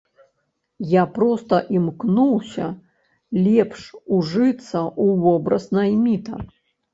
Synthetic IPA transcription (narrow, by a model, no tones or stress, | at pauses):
japɾɔst̪ɐʔimknuwsʲɐ | lʲɛpʂuʐɨt̪sːɐuvɔbɾɐ̰snɐjmʲit̪ɐ̰